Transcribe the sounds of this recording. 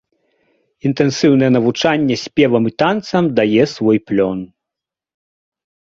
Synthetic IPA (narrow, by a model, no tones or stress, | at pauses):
int̪ɛnsɨwnɐjɛnɐvut͡ʂanʲːɛsʲpʲɛvɐmit̪ant̪sɐmd̪ajɛsvɔjplʲɔn